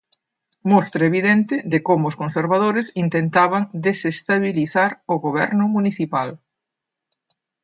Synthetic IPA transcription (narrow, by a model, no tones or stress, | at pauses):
mɔst̪ɾɐeβiðɛnt̪ɪd̪ɪkomʊːskonseɾβað̞oɾɪsint̪ent̪aβ̞aŋd̪esest̪aβiliθaɾʊɣoβ̞ɛ̰ɾnʊmuniθipal